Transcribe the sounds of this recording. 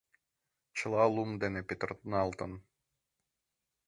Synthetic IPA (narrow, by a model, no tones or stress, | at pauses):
t͡ɕɤ̆lˠɑlˠumd̪enɘpʲet̪̆rt̪nɑlˠt̪ɤn